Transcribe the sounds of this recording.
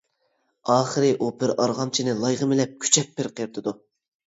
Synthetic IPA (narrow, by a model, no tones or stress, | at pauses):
ɑːχəɾɨʔopɪɾɑɾʁɑmt͡ʃʰinɪlˠɑjʁəmɪlɛp̚kʲʰy̥t͡ʃʰɛpːɪɾqʰeɾt̪ʰɨd̪u